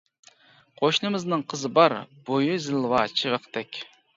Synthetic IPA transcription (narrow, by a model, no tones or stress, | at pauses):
qʰoʃnɨmɨznɨŋqʰəzɨbɑɾb̥ojuzɪlˠwɑt͡ʃʰivəqt̪ɛkʲ